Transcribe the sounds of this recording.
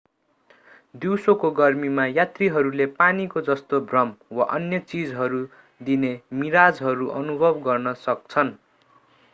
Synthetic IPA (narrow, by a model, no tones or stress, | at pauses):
d̪iwsokoɡʌrmimajat̪riɦʌɾulepanikod͡zʌst̪obʱrʌmwaʔʌnjʌt͡sid͡zɦʌɾu | d̪inemiɾad͡zɦʌɾuʔʌnubʱʌbɡʌrnʌsʌk̚t͡sʰʌn